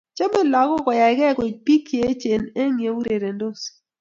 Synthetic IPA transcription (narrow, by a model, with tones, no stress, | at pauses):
t͡ʃo˦mɪ˦lɔ˨kɔ˦˨kɔ˨ja˨˦ɡɛ˦ko˨pi˦kje˨˦t͡ʃe˨ne˦ŋje˨wu˦ɾe˨ɾe˨ndo˦s